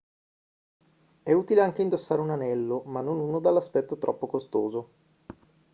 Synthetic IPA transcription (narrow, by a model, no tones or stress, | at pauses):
ɛuːt̪ileaŋk̟eind̪osːaːɾeunanɛlːomanːonunod̪alːaspɛt̪ːot̪ɾʔɔ̰pːokost̪oːzo